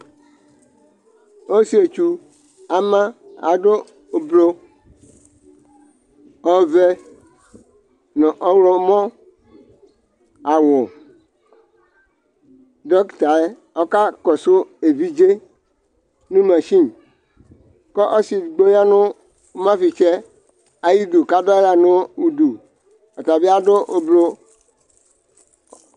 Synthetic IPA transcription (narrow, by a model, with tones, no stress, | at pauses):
o˦si˦e˨t͡ʃu˨ | a˨mã˦a̰˨ɖo˦˨ | blo˦ | ɔ˦vɛ˦ | nɔ̃˨ʔɔ˦wlo˦mɔ̃˦ | a˨wo˨ | dɔ˦kta˨e˦ | ɔ˦ka˦kɔ˨sʊ˦e˨vi˦d͡ʒe˦ | nũ˦mã˨ʃi˦n˨ | kɔ˦ʔɔ˦si˨ɡ͡bo˦ja˦nʊ˦ | mã˦fi˨t͡ʃɛ˦ | a˨ji˦du˨ka˦dɔ˦a˨nʊ̃˦u˨du˨ | ɔ˨ta˨bi˦a˦dʊ˦ʔo˨blo˦